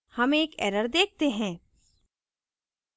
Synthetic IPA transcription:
hɐmeːkɛ̰ːɾəɾd̪eːk̚t̪eɦɛ̃ː

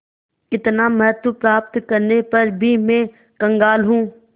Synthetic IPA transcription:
ɪt̪namɛɦət̪upɾaːp̚t̪kɐɾnepɐɾbʱimẽː | kɐ̃ŋɡaːlɦũː

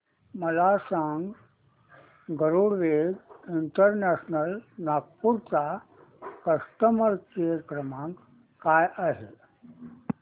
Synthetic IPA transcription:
məlasãŋɡ | ɡʱəɾuɽʋeɡiɳʈəɾnæɕnəlnak̚puɾt͡sa | kəsʈəməɾkeəkɾəmãŋk | kajʔaɦe

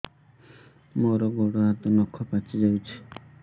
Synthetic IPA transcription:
moɾɔɡɔɽɔɦat̪ɔnɔkʰːɔpat͡ʃid͡ʒawt͡ʃʰi̥

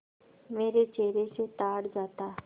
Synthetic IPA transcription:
meːɾet͡ʃeːɾeset̪aːɽd͡ʒaːt̪aː

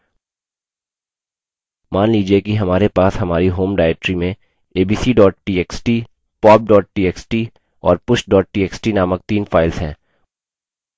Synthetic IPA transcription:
maːnliːd͡ʒiekiɦɐmaːɾepaːsɦɐmaːɾiɦoːmɖaːɛeːk̚ʈɾimẽ | eːbiːsiɖɔːʈ̚ʈiːeːksʈiː | pɔːb̚ɖɔːʈ̚ʈiːeːksʈi | ɔːɾpʊʃʈɖɔːʈ̚ʈiːeːksʈinaːmək̚t̪iːnfaːɪlzɦɛ̃ː

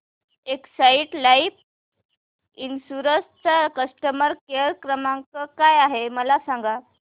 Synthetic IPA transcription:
eksaiʈlaif | insuɾəst̪kəsʈəməɾkeɾkɾəmãŋkəkajaɦeməlasãŋɡa

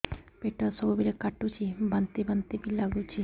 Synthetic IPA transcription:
peʈasɔbubiɾekaʈut͡ʃʰibant̪ibənt̪ibilaɡut͡ʃʰi

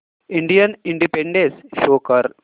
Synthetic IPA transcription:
iɳɖijɐniɳɖipeɳɖesʃoːkɐɾ

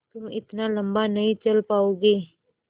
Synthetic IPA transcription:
t̪ʊmɪ̰t̪nalɐ̃mbanɐɦĩt͡ʃɐlpaːoːɡeː

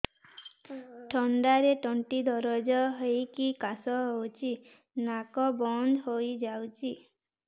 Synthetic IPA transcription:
ʈʰɔɳɖaɾeʈɔɳʈid̪ʱɔɾɔd͡ʒɔɦejkikasɔɦowt͡ʃʰi | nakɔbɔnd̪ɦojd͡ʒawt͡ʃʰi

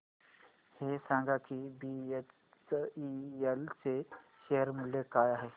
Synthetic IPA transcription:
heːsãːŋɡakʰibie | sielseʃeɦəɾmʊlːekaːjaɦɛː

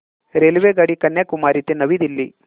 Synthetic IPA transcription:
ɾelʋeɡɐɽikɐnːjakumaːɾit̪enɐʋid̪ilːi

